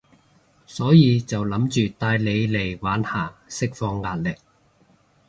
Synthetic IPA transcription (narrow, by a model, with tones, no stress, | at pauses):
sɔː˨˥jiː˨˧t͡sɐ˨wlɐ˨˥mt͡ʃyː˨t̪aː˧jle˨˧jle˨˩jwaː˨˥nhaː˨˩sɪ˥k̚fɔː˧ŋːaː˧t̚lɪ˨k̚